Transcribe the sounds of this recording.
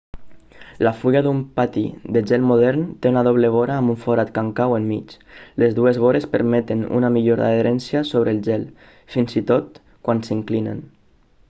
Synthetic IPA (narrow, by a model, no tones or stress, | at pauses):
lafuʎaðumpat̪ḭd̪eʒɛlˠmuðɛɾnt̪eunaðoβləβoɾaːmbuɱfoɾat̪kaŋkawemːit͡ʃlezðuezβoɾespəɾmɛt̪enṵnamiʎoɾa̰eɾɛnsjasoβ̞ɾeːlˠʒɛl | finsit̪ot̪̚ | kwansiŋklinḛn